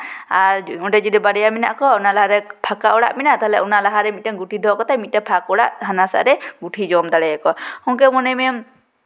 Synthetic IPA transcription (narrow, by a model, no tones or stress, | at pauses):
aɾuʈɛd͡ʒɔd̪ibaɽɛjamina̰ʔkɔunalaɦaɾɛpʰakaʔɔɽa̰ʔminat̪aɦɛlɛunalaɦaɾɛmit̪̚ʈɛɡuʈʰid̪ʱɔkɔt̪amit̪̚ʈɛpʰakɔɽaʔɦanasa̰ʔɾɛɡuʈʰid͡ʒɔmd̪aɽɛɛkɔhɔŋkɛmɔnɛmɛ